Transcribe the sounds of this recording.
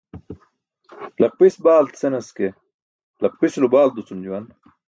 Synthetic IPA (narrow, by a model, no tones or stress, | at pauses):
lɐq̚pisbaːlt̪senɐske | lɐq̚pislubaːld̪ut͡sund͡ʑuwɐn